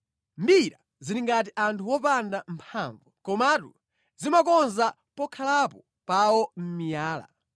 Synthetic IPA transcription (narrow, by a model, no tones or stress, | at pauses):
mbiɾa | ziɾiŋɡatiʔantʰuwɔpandampʰaɱvukɔmatṵ | zimakɔnza | pɔkʰalapɔ | pawɔm̩mijaːla̰